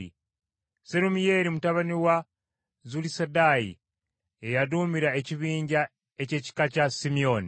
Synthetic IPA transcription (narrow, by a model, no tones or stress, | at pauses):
ḭ | seɾumije̞ɾimutaβaniwa | zulisedajḭ | ejadumiɾae̞ciβiːɲɟa | e̞ce̞ci̥kacasimio̞ni